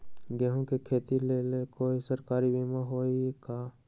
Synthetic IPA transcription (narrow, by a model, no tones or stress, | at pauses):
ɡɛɦõkekʰeːt̪ileːlekoːisəɾkaːɾibiːmaɦoːikaː